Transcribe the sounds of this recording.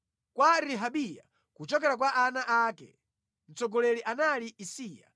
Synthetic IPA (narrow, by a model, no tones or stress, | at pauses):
kwaɾiɦaɓija̰ | kut͡ʃɔkɛɾak̬waʔanaʔakɛ̰ | n̩t͡sɔɡɔlɛliʔanaliisiːja̰